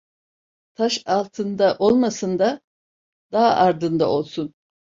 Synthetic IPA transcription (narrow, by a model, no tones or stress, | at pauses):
t̪ʰaʃalˠt̪ʰɯnd̪aʔo̞lˠmasɯnd̪a | d̪aɦaʔaɾd̪ɯnd̪aʔo̞lˠsun